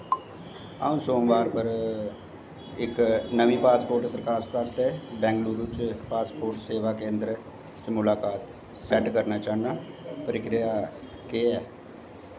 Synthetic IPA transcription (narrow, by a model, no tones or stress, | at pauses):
a̰ːũːsoːmʋaːɾpəɾ | ɪknəʋĩːpaːspoːɾʈpɾəkaːsk̪ast̪ebɛ̃ːŋɡluːɾut͡ʃpaːspoːɾʈseːʋaːkẽːnd̪ɾə | t͡ʃmʊlaːkaːt̪ | sɛʈkəɾnaːt͡ʃaːnaː | pəɾɪkɾɪjaː | keɛː